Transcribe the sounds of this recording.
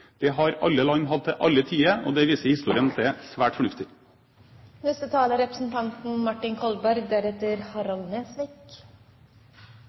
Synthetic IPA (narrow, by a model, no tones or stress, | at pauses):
d̪̥ɛɦɑɾɑ̰lːəlɑŋɦɑd̪̚ɛʔɑlːət̪ʰiːəɔ̰d̪ɛʋiːsəhɪst̪uːɾɪənɑt̪d̪ɛsʋæːʈfɔɳʉft̪ɪ | nʉst̪ət̪ʰɑːləɾɛpɾəsn̩t̪ʰɑnt̪n̩mɑʈɪŋkʰɔlbæɾɡ̚d̪æɾɛt̪əɾhɑɾɑlneːsʋɛk